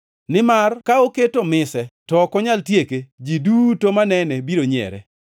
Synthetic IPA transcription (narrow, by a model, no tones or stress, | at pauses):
nɪmarkaoketomɪsɛtɔkɔɲaltjeked͡ʒidutomanɛnɛbiɾoɲɛ̰ɾɛ̰